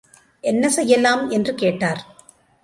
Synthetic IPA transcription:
ʔɛnːɐsɛjːɐlːaːmɛndrɯkeːʈːaːɾ

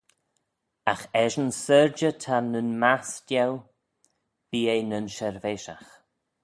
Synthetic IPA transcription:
axɛʒənsəɹd͡ʒətʰanənmasdɛw | b̥iːejnənʃɛɹveːʃax

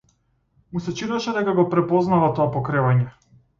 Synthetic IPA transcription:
musɛt͡ʃid̪aʃɛd̪ɛkaɡɔpɾɛpɔznavat̪ɔapɔkɾɛvaɲɛ

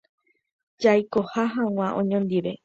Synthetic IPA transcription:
d͡ʒajkohaɦãw̃ãʔõɲõnd̪iʋe

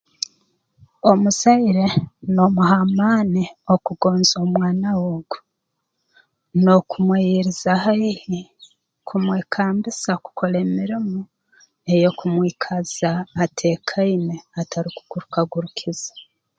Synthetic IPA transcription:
omusaiɾe̞nomuɦamaːniokuɡo̞ːnzomwaːnawoɡo̥ | nokʰumwejiɾizaɦaihi | kʰumweːkʰaːmbisaku̥kʰo̞ɾemiɾimu | e̞jo̞kumwiːkʰaz̥aːtʰe̞ːkʰaineatʰaɾiku̥ɡ̥uɾukaɡuɾukʰiz̥ḁ

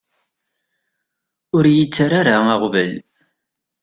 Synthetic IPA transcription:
ʊɾjət͡sːaɾaɾaɑʁvəl

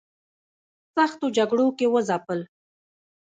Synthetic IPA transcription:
saxt̪od͡ʒaɡɽokewəzapəl

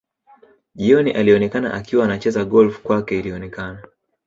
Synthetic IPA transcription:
ʄiɔniʔaliɔnɛkana̰ʔakiwaːnat͡ʃɛzaɡɔlfkwakɛiliɔnɛkana

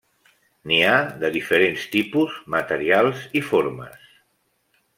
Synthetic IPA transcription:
niaðəðifəɾenst̪ipuzmət̪əɾialˠzifoɾmə̰s

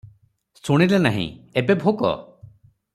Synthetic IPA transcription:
suɽ̃ilenaɦḭ̃ebebʱokɔ̰

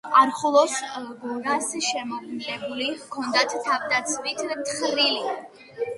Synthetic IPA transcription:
aɾχɔlˠɔsɡuɾasʃɛmɔdnilʼɛbulikʰɔnd̪at̪ʰt̪ʰavd̪at̪sʰmit̪ʰt̪ʰχɾili

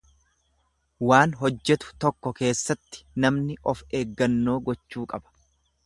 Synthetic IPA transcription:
waːnɦɔd͡ʒːɛt̪ʊ̥t̪ɔkːɔke̞ːsːɐt̪ːɪ̥nɐmnɪʔɔfe̞ːɡːɐnːo̞ːɡɔt͡ʃːuːkʼɐbɐ̥

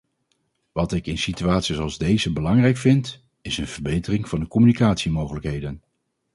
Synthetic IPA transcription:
ʋɑtɪkɪnsityaːtsisɑlˠzdejzəbəlɑŋrɛjkfɪnt | ɪsənv̥əɹbejtərɪŋv̥ɑndəkɔmynikaːtsimowχələkɦejdən

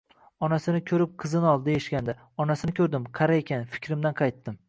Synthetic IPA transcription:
ɒnasɪnɪkʲʰɵɾɪp̚qʰɨzɪnɒlˠd̪ɪjɪʃkʲand̪a | ɒnasɪnɪkʲʰɵɾd̪ɪmqʰɑɾaekʲanfɪ̥kʲʰɾɪmd̪anqʰɑjt̪ːɪm

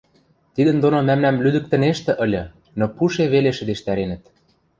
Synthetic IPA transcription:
t̪id̪ə̆nd̪onomæmnæmlyd̪ɘ̆k̚t̪ɘ̆neʃt̪ɘ̆ʔɤ̆lʲɤ̆ | nopuʃeβeleʃə̆d̪eʃt̪æɾenə̆t̪̚

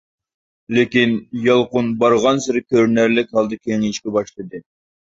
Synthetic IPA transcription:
lekʲinjɑlˠqʊnbɑɾʁɑnsɪɾɪkʲʰøɾnæɾlɪkʲhɑlˠd̪ɨkʲʰeŋiʃkʲɛbɑʃlˠɨd̪ɨ

